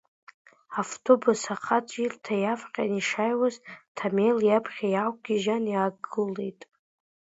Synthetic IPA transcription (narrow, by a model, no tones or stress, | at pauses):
aftʰobusaqʰat͡sʷʼirtʰajafqʲʼaniʂajwaztʰamejljapʰχʲajawkʼɡʲiʒanjaːɡɨle̞jtʼ